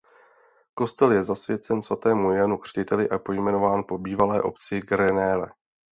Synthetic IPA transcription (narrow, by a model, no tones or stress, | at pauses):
ko̞st̪ɛljɛzasvjɛt͡sɛnsvat̪ɛːmujɛnukr̝̥cɪt̪ɛlɪʔapo̞jmɛno̞vaːnpo̞biːvalɛːʔo̞̰pt͡sɪɡɾɛnɛːlɛ̰